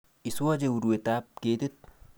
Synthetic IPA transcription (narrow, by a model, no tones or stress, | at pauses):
isuad͡ʒeuɾuwet̪aːp̚keːt̪it̪̚